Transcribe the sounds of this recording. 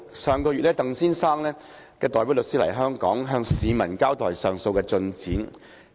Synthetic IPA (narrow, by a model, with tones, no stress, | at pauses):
sœː˨˧ŋkɔː˧yː˨t̚lɛː˥t̪ɐ˨ŋsiː˥nsaː˥ŋlɛː˥ | kɛː˧t̪ɔː˨jpi˨˥wlɵ˨k̚siː˥lɐ˨˩jɦœː˥ŋkɔ̰ː˨˥ŋɦœː˧ŋsiː˨˧mɐ˨˩nkaː˥wt̪ɔː˨˩jsœː˨ŋso˧wkɛː˧t͡sɵ˧nt͡siː˨˥n